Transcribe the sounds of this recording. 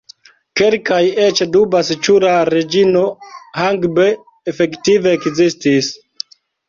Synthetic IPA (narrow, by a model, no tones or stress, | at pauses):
ke̞lkaje̞t͡ʃdubasit͡ʃuɾaɾed͡ʒino̞haŋɡbeː | fe̞ktive̞ːkzistis